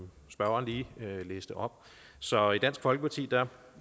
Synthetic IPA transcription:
sb̥ɶɐɐːnliːleːsd̥əʔɒ̽b̥ | sɒ̽id̥æn̰sɡ̥fɒ̽lɡ̥əpʰɑ̈t͡sʰḭːd̥æ

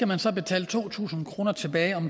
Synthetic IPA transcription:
æmænsɒ̽be̝t͡sʰɛ̰ːlət͡sʰo̝̰ːt͡sʰṵːsn̩kʰʁo̝ːnɐt͡sʰe̝b̥ɛːɪɒ̽m

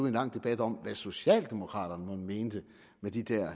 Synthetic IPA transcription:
e̝nlɑ̈ŋ̰d̥e̝b̥æd̥ɒ̽mʋæso̝ɕɛ̰ːld̥e̝mo̝kʰʁɑ̰̈ːɾ̥ɐnəmɒme̝ːnd̥ə | med̥id̥æɐ̰

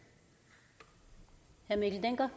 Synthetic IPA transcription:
hæɐmikl̩d̪eŋɡ̥ɐ

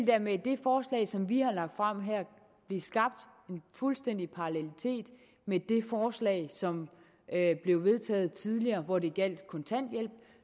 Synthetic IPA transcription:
ld̥æɐ̰med̥e̝fɒːslɛ̰ɪsɒ̽mʋihɑ̈lɑ̈ɡ̥̚d̥fʁam̰ɦæɐ̰ | b̥le̝sɡ̥ɑ̈b̥̚d̥ | e̝nfulsd̥en̰d̥ipʰɑ̈ɑlelit͡sʰe̝̰ːd̥ | med̥e̝fɒːslɛ̰ːɪsɒ̽m | b̥le̝ʊʋe̝ð̞ˠt͡sʰɛ̰ːð̩ˠt͡sʰið̞ˠliɐːʋɒd̥e̝ɡ̥æl̰d̥kʰɒ̽nt͡sʰæn̰d̥jel̰b̥̚

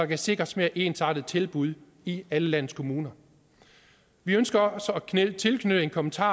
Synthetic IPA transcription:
ɑ̈kʰæse̝ɡ̥ʁɐsme̝ɐʔe̝ːnsɑ̈d̥ð̩ˠt͡sʰe̝lb̥uð̞ˠ | iæləlæn̰̩ˠskʰo̝muːnɐ | ʋiønsɡ̥ɐɒsækʰnelt͡sʰe̝lkʰnøɾ̥əe̝nkʰɒ̽mənt͡sʰɑ̰̈ː

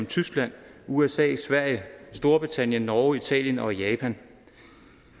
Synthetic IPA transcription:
mt͡sʰysɡ̥læn̰uesɛ̰ːsʋæɐ̰jəsd̥o̝ɐb̥ʁit͡sʰæn̰jənːɒːit͡sʰɛ̰ːljənɒ̽jɛːpʰæn

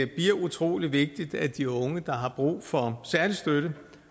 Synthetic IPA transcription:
ɐb̥iɐ̰ut͡sʰʁo̝̰ːliʋe̝ɡ̥̚d̥id̥æd̥iɔ̽ŋəd̥ɑ̈ɦɑ̈b̥ʁṵːfɒ̽sæɐlisd̥øɾ̥ə

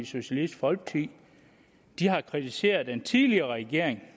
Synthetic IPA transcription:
so̝ɕælid̥fɒ̽lɡ̥̚t͡sʰi | d̥iɦɑ̈kʰʁit͡sʰise̝̰ːɐð̞̩ˠd̥ent͡sʰiðˠliɐʁɛɡ̥e̝ɐ̰e̝ŋ

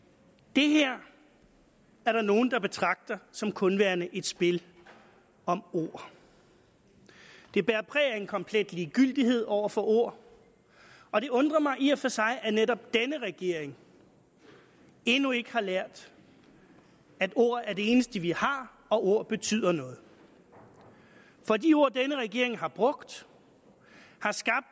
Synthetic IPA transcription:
d̥e̝ɦæɐ̰ | æɐɾ̥ɑ̈no̝ːn̩d̥ɑ̈b̥e̝t͡sʰʁɑ̈ɡ̥̚d̥ɐsɒ̽mkʰɔ̽nʋæːɐnəʔe̝d̥sb̥e̝l | ɒ̽mo̝ɐ̰ | d̥e̝b̥æːɐpʰʁɛ̰ːɐenkʰɒ̽mpʰled̥liːɡ̥yl̰d̥iɦe̝ð̞̰ˠɒʊ̰ɐfɒ̽ʔo̝ɐ̰ | ɒ̽ɾ̥e̝ɔ̽nd̥ʁɐmɑ̈ɪʔiɐfɒ̽sɑ̈ɪʔæneɾɒ̽b̥̚d̥enəʁɛɡ̥e̝ɐ̰eŋ | e̝nue̝ɡ̥əhɑ̈læɐ̰d̥ | æd̥o̝ɐ̰æɐde̝e̝ːnəsd̥əʋihɑ̈ | ɒ̽o̝ɐ̰b̥e̝t͡sʰy̰ð̰ˠɐnɔ̽ːð̞̩ˠ | fɒ̽dio̝ɐ̰d̥enəʁɛɡ̥e̝ɐ̰e̝ŋɦɑ̈b̥ʁɔ̽ɡ̥d̥ | hɑ̈sɡ̥ɑ̈b̥̚d̥

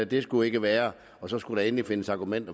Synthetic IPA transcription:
d̥e̝sɡ̥ue̝ɡ̥əʋæːɐ | ɒ̽sɒ̽sɡ̥uɾ̥ɑ̈e̝nlife̝nəsɑ̈ɡ̥umen̰d̥ɐ

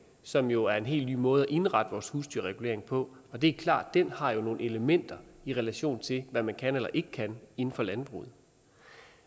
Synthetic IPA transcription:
sɒ̽mjo̝æɐe̝nɦe̝̰ːlny̰ːmɔ̽ːð̞̩ˠæʔe̝nʁɑ̈d̥əʋɒːshusd̥yɐʁɛɡ̥ule̝ɐ̰e̝ŋpʰɒ̽ɒ̽d̥e̝æɐkʰlɑ̰̈ːd̥ːenhɑ̈jo̝no̝ːn̩e̝ləmen̰d̥ɐiʁɛlæɕo̝̰ːnt͡sʰe̝lʋæmænkʰænelɐʔe̝ɡ̥əkʰæne̝n̩fɒ̽lænb̥ʁṵːð̞̩ˠ

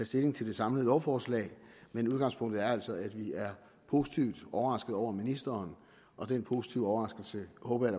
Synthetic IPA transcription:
ɛsd̥e̝le̝ŋt͡sʰe̝ld̥e̝̥sɑ̈mləð̩ˠɒʊfɒːslɛ̰ːmenuð̞ˠɡ̥ɑ̈ŋspʰɔ̽ŋ̰d̥ð̩ˠæɐæl̰sɒ̽æd̥ʋiæɐ | pʰo̝ːsi̥t͡sʰiʊd̥ʔɒʊɐʁɑ̈sɡ̥ð̞̩ˠɒʊ̰ɐminisd̥ɐːn | ʔɒ̽d̥enpʰo̝ːsi̥t͡sʰiʊ̰ɒʊʁɑ̈sɡ̥l̩səhɔ̽ːb̥ɐjæɾ

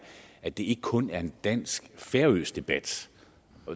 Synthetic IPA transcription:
æd̥e̝e̝ɡ̥əkʰɔ̽næɐe̝nd̥æn̰sɡ̥fæɐøːsd̥e̝b̥æd̥

